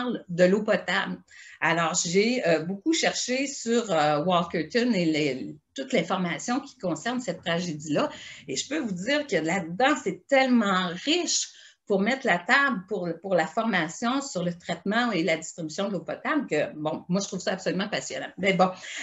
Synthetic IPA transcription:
ʁld̪əlopɔt̪ablalɔːʁʒeøbokuʃɛʁʃesyʁøwɔlkøt̪ʊnelet̪ʊt̪lɛ̃fɔʁmasjɔ̃kʲi̥kɔ̃sɛʁnsɛt̪ːʁaʒedd͡zilʌeʒəpøvudd͡ziːʁkəlad̪ɑ̃sɛt̪ɛlmɑ̃ʁɪʃ | puʁmɛt̪lat̪ablpuʁpuʁlafɔʁmasjɔ̃syʁlət̪ʁɛt̪mɑ̃eladd͡zist̪ʁibysjɔ̃d̪əlopɔt̪ablkʲəbɔ̃mwaʒət̪ʁuv̥sʌapsolymɑ̃pasjɔnɑ̃mɛbɔ̃

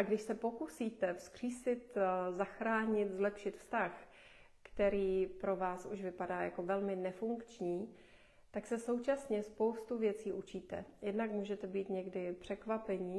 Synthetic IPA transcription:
aɡdɪʃsɛpo̞kusiːt̪ɛfskr̝̥iːsɪt̪zaxɾaːɲɪt̪zlɛpʃɪt̪fst̪ax | kt̪ɛɾiːpɾo̞vaːsṵʃvɪpadaːja̰ko̞vɛlmɪnɛfuŋkt͡ʃɲiː | t̪aksɛso̞wt͡ʃasɲɛspo̞wst̪uvjɛt͡siːʔut͡ʃiːt̪ɛ̰jɛdnakmuːʒɛt̪ɛbiːt̪ɲɛɡdɪpr̥ɛkvapɛɲiː

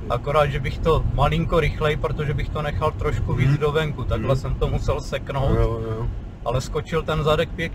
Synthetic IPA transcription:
ʔakoɾaːd̪ʒɛbɪxt̪o̞malɪŋko̞ɾɪxlɛjpɾot̪o̞ʒɛbɪxt̪o̞nɛxalt̪ɾoʃkuviːd͡zdovɛŋkut̪aɡɦlɛsɛmt̪o̞musɛlsɛkno̞wt̪ | ʔalɛsko̞t͡ʃɪlt̪ɛnzadɛkpjɛkɲ

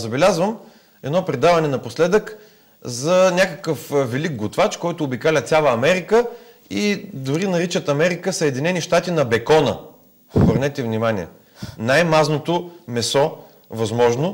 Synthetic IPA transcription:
zɐbɛlʲazvəm | ɛd̪nɔpɾɛd̪avɐnɛnɐposlɛd̪ək | zɐnʲakəkəfvɛliɡ̚ɡʊt̪vat͡ʃkɔjt̪ʊːbikalʲət̪sʲjalˠəːmɛɾikə | id̪ʊɾinɐɾit͡ʃət̪ɐmɛɾikəsəɛd̪inɛniʃt̪at̪inɐbɛkɔnə̰ | obəɾnɛt̪ɛvnimaniɛ̰ | najmaznot̪omɛsɔ | vɐzmɔʒno

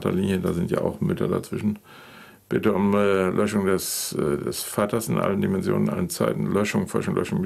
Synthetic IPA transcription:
tɐ̰liːnjədaːzɪntja̰ːʔaʊxmʏtɐda̰t͡sv̥ɪʃn̩ | b̥ɪtəʊmːlʔœʃʊŋdɛsːdɛsfaːtɐsɪnʔa̰ləndimɛnzjo̰ːnənʔa̰lənt͡saɪtn̩lœʃʊŋfɔ̰ʃʊŋlœ̰ʃʊŋm

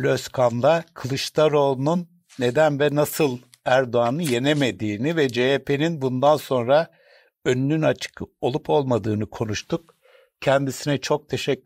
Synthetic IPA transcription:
lʲøskʰanlˠakʰɯlˠɯʃt̪aɾo̞lˠnunː | e̞d̪ænvɛnasɯlˠ | æɾd̪o̞anɯje̞ne̞me̞d̪iːnivɛd͡ʒeepʰe̞ninbund̪anso̞nɾa | ønynynat͡ʃʰɯ̥ko̞lˠupʰo̞lˠmad̪ɯːnɯkʰo̞nuʃt̪ʰuk̚ | cʰɛnd̪isinɛt͡ʃʰo̞k̚t̪ʰe̞ʃɛ

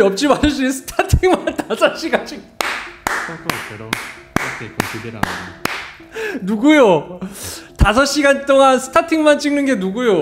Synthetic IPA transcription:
ʌp̚t͡ɕ͈imas͈usʰɯ̥tʰatʰiŋmantasʰʌɕ͈iɡant͡ɕ͈iŋ | ʌkʰokeɾʌ | akʰekosʰideɾa̰na̰ | nuɡujo | tasʰʌɕ͈iɡant͈oŋansʰɯ̥tʰatʰiŋmant͡ɕ͈iŋnɯnɡe̞nuɡujo

